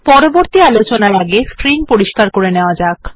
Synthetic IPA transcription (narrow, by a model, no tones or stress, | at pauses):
pɔɾoboɾt̪ialot͡ɕonaɾaɡeskɾinpoɾiʃkaɾkoɾeneoad͡ʑak